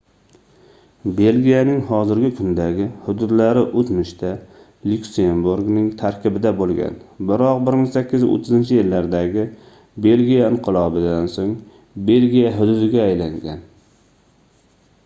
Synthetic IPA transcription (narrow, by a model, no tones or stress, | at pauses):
be̞lɡʲijanɪŋhɒzɪɾɡʲɪkʰʊnd̪aɡʲɪhʊd̪ʊd̪laɾɪʔot̪mɪʃt̪ʰa | lʲʊkʲsembuɾɡnɪŋt̪ʰaɾkʲɪbɪd̪abolˠɡʲa̰nbɪɾɒq̚bɪɾmɪŋsakʲːɪzo̰t̪ʰːɪzɪnt͡ʃʰɪjɪlːaɾd̪aɡʲɪ | be̞lɡʲijaɪɴqʰɨlˠɒbɪd̪ansoŋ | be̞lɡʲijaɦʊd̪ʊd̪ɪɡʲaːjlaŋɡʲan